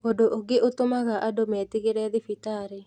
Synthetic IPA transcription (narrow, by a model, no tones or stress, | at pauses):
odoʔoɡeʔot̪omaɣaʔadomɛt̪iɣeɾɛðɪfit̪aɾe